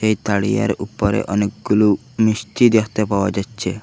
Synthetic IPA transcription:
ʃejt̪aɽija̰ɾupɔɾḛʔɔnek̚ɡulu | misʈid̪ekʰt̪epaoad͡ʑatːɕʰe

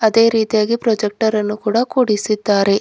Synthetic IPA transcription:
ɐd̪e̞ːɾiːt̪ijaːɡipɾɔːd͡ʒek̚ʈɐɾɐnːukuːɽɐkuːɽisid̪ːaːɾe̞

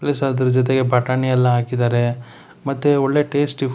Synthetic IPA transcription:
plɐsaːd̪ɐɾɐd͡ʒɔt̪̬eɡe̞bʱɐʈaːniɐlːɐɦaːkid̪aːɾe̞ | mɐt̪ːuɔɭːe̞ʈeːsʈi

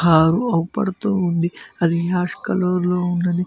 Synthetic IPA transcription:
aːɾuɐwupɐ̰ɽɐt̪uːund̪iɐd̪iɦaːʂkɐloːɾloːunːɐd̪i

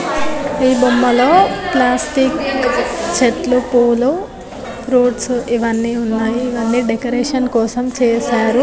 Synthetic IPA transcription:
iːbomːɐlo̞ːplaːsʈik | t͡ʃeʈlupoːlu | pʰɾuːʈsiʋɐnːiunːaːjiːʋɐnːiːɖekɐɾeːʂɐnkɔːsɐmt͡ʃɛːsaːɾu

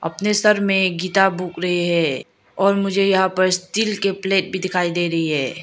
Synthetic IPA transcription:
ɐ̰pnesɐɾmẽɡiːt̪abʱuːkɾɐɦeɦɛ̃ː | ɔːɾmʊd͡ʒʱejɐɦãpɐɾst̪iːlkepleːʈ̚bʱid̪ɪkʰaːid̪eːɾɐɦiɦɛː

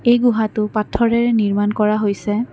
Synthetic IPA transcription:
ejɡʊɦatʊpatʰːɔɹɛɹɛniɹmankɔɹaɦojsɛ

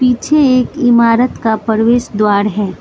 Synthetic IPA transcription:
piːt͡ʃʰeeːkɪmaːɾət̪kapəɾʋeːʃd̪waːɾɦɛː

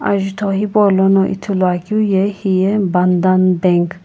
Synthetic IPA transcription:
a̰ʒit̪ʰɔɦibɔlɔnɔʔḭt̪ʰulaɡiwjɛhijɛband̪anbɛŋk

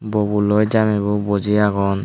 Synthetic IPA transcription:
bɔbulɔjd͡ʒamɛbɔbɔd͡ʒiaɡɔn

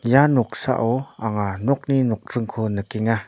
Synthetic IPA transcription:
janɔk̚sa̰ʔɔaŋanɔk̚ninɔk̚rɯŋkʰɔnəkiŋa

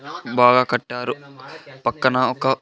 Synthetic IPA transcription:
baːɡaːkɐʈːaːɾupɐkːɐnɐɔkɐ

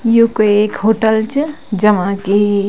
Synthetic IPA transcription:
jukoekhoʈəlt͡ʃ | d͡ʒəmãke

